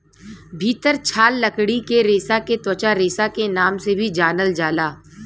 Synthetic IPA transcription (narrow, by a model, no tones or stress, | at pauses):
bʱiːt̪əɾt͡ʃʰaːlːəkɽikeɾeːsaket̪wət͡ʃaɾeːsakenaːmsebʱid͡ʒaːnəld͡ʒaːlaː